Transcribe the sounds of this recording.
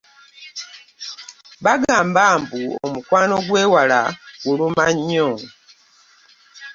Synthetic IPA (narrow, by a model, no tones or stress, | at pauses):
βaɡaːmbaːmbuo̰mukwaːno̞ɡweːwala̰ɡulumaɲːo